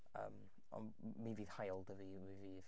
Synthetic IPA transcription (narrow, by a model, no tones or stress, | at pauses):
ə̰ːm | ɔ̰nmiviːð̥hajlˠdəvimiviːð